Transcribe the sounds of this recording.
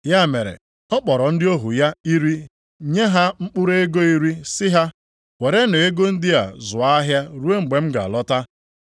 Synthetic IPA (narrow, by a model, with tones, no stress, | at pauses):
ja˦me˨ɾḛ˨ | ɔ˦k͡pɔ˨ɾɔ˨n̩˦dɪ˦o˦ɦṵ˨ja˦i˦ɾi˦ | ɲe˦ɦa˦ŋ͡m̩˦k͡pʊ˦ɾe˦ɡo˦i˦ɾi˦sɪ˦ɦa˦ | we˨ɾe˦no˨e˦ɡo˦n̩˦dɪ˦a̰˨zʊ˨a˦ɦja˦ɾu˦e˦ŋ͡m̩˨ɡ͡be˨m̩˦ɡa̰˨lɔ˦ta˦